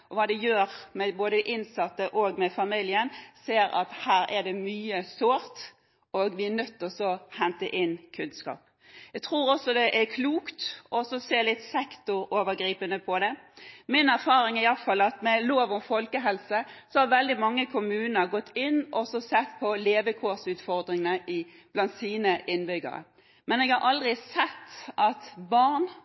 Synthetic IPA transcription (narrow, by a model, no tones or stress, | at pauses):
ɔʋɑːd̪ɛjøːɾmɛboːd̪əʔɪnsɑt̪ːəʔoːɡmɛfɑmiljənseːɾɑ̰t̪hæːɾɛɖɛmyːəsoːɾt̪ | oɡʋɪænœt̪ːɔsɔhɛnt̪əʔɪnkʰʉnskɑ̰ːp | jæɡt̪ʰʁɾuːɾɔsːɔd̪ɛʔækʰluːkt̪ʔɔsɔseːɾlɪt̪sɛkt̪ʊɾoːʋəɾɡɾiːpənəpʰɔd̪ɛmɪnæʁfɑːɾɪŋɪɑlfɑlɑt̪mɛloːʋɔmfɔlkəɦɛlsəsɔhɑɾʋɛld̪ɪmɑŋːəkʰʊmʉːnəɾɡɔt̪ːɪnːʔɔsɔsɛt̪ːpʰɔleːʋəkʰosʉːt̪fɔʁd̪ɾɪŋənəʔɪ | b̥lɑnt̪siːnəʔɪnbʏɡə̰ɾə̰ | mɛnɛːɡhɑɾʔɑld̪ʁɪsɛt̪ːʔɑt̪bɑʁn